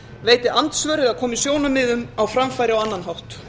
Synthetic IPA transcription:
veːjt̪ɪʔant̪svœɾɪðaðkʰɔːmisjoːwnʏmːɪðʏmawfɾamfajɾɪawanːanɦawht̪

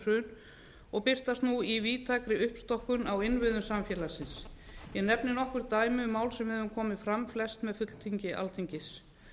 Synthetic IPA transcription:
rʏn | ɔɣpɪr̥t̪ast̪nuiviːt̪ʰaːkɾɪʏhpst̪ɔhkʏnawɪnvɪðʏnsamfjɛːlasɪnsjɛnɛpnɪnɔhkʏɾt̪aːjmɪʏmaːwlsɛmvɛvʏmkʰɔːmɪfɾamflɛst̪mɛðfʏt̪l̥t̪ʰiɲcɪʔa̰lt̪ʰiɲcɪs

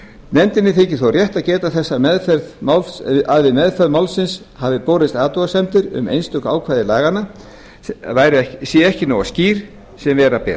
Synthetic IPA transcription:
nɛnt̪ɪnːɪθʰecɪ̥θowrjɛht̪aðcɛːt̪aθɛsːamɛðfɛɾðmalaðvɪmɛðfɛɾðmawlsɪns | havɪpoːɾɪst̪aːt̪ɔasɛmt̪ɪɾʏ̰mḛjnst̪ʏkaːwkʰvaːðɪlaːɣana | vajɾɪɛsjɛɛhcɪnawasciːɾ̥ | sɛmvɛːɾapɛ̰ː

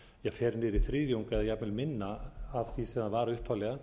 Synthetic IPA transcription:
jɛɣfɛːɾnɪɾiθɾiːðjowŋkɛðjɛapmɪlmɪnːaːvθisɛmanvaːɾaʏhpʰːavlɛɣa

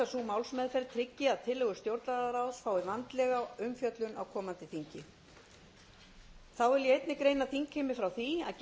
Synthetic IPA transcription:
asumawlsmɛːðfɛɾt̪ʰɾɪcːɪaðt̪ʰɪlːɛɣʏ̥st̪jowɾt̪laðaɾawsfaːwɪvant̪lɛːɣaʏmfjœt̪lʏna̰wkʰɔːmant̪ɪθiɲcɪ | θawɛljɛejt̪nɪkɾeːjnaθiŋkhɪmɪfɾawθia̰ðc

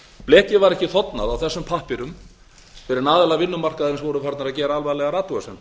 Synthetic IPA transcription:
plɛːhcɪvaɾɛhcɪθɔt̪na̰ðawθɛsːʏmpʰahpɪɾʏm | fɛːɾɪɾnaːðɛlavɪnːʏmar̥kaðɾɪnsvɔːwɾʏfaɾt̪naɾaðcɛːɾaalvaðlɛɣaɾaːt̪uasɛn

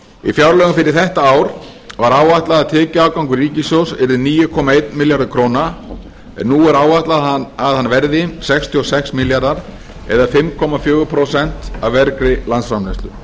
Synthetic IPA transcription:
ḭfjawɾlœːɣʏmfɪɾɪɾ̥θɛht̪aaːwɾ | vaɾaːwaht̪laðaðt̪ʰɛːcaaːwkawŋkʏriːcɪsjowsɛɾðʏniːjʏkʰɔmaejt̪mɪljaɾðʏkʰɾoːwna | ɛ̰nːuːɛɾaːwaht̪laaðhanːvɛɾðɪsɛkst̪ʰiɔsɛksmɪljaɾðaɾ̥ | ɛ̰ðafɪmkʰɔmafjœːɣʏpʰɾosɛn̥t̪avvɛɾkɾɪlant̪sfɾamlɛst̪ʏ̰

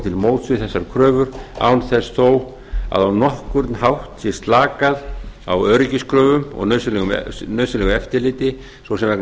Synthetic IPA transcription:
t̪ʰɪlmoːwt̪svʏθɛsːaɾkʰɾœːvʏɾa̰ːwnθɛsθoːw | a̰ðawnɔhkʏɾt̪nhawht̪sjɛst̪laːkaða̰wœɾʏcɪskɾœːvʏmɔ̰ɣnœɥsʏlɛɣʏm̰nœːɥslɛɣʏɛft̪ɪlɪːt̪ɪ | sowsɛmvɛkn

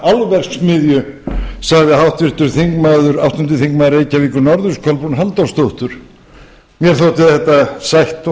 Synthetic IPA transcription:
alvɛr̥ksmɪðjʏ | saɣðɪhawht̪vɪr̥t̪ʏɾ̥θiŋkmaːðʏɾawht̪ʏnt̪ɪθiŋkmaːðʏɾeːjcaviːkʏɾnɔɾðʏskʰɔlpunɦant̪awst̪owht̪ʏɾ̥ | mjɛɾ̥θowt̪ɪθɛht̪asajht̪

